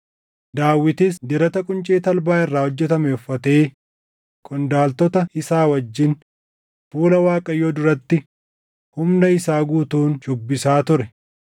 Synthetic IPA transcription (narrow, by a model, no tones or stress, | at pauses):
d̪aːwːɪt̪ɪs̬d̪ɪɾɐt̪ɐkʼʊnt͡ʃʼeːt̪ɐlbaːɪrːaːhɔd͡ʒːɛt̪ɐmɛʊfːɐt̪eː | kʼɔnd̪aːlt̪ɔt̪ɐɪsaːwɐd͡ʒːɪn | fuːlɐwaːkʼɐjoːd̪ʊɾɐt̪ːɪ | hʊmnɐɪsaːɡuːt̪uːnʃʊbːɪsaːt̪ʊɾɛ